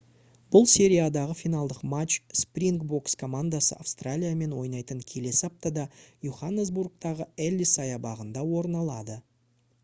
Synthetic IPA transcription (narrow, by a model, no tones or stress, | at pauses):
b̥ʊlˠse̞ɾʲijad̪ɑʁəfijnɑlˠd̪əqmat͡ʃsprʲiŋkbo̞kskʰo̞mand̪asə̰a̰fst̪ralʲijame̞nwo̞jnɑjt̪əɴkʲʰe̞le̞sɪɑp̚t̪ɑd̪ɑjuχanːezburk̚t̪ɑʁəelʲːisɑjɑbɑʁənd̪ɑwo̞ɾnɑlˠɑd̪ə